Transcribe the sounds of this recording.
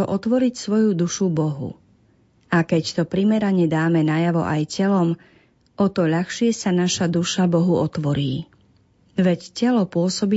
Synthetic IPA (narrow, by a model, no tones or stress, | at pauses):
ɔʔɔt̪ʋɔɾicsʋɔjud̪uʃubɔɦṵ | akɛct̪ɔpɾimɛɾaɲɛd̪aːmɛnajaʋɔ̰ʔajcɛlɔm | ɔt̪ɔʎaxʃɪɛsanaʃad̪uʃabɔɦuɔt̪ʋɔɾiː | ʋɛccɛlɔpʊɔsɔbi